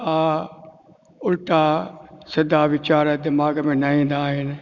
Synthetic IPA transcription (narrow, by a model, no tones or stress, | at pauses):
aː | ʊlʈaːsɪd̪aːʋɪt͡ʃaːɾəd̪ɪmaːɡmẽːnaĩːnd̪aːɦɪn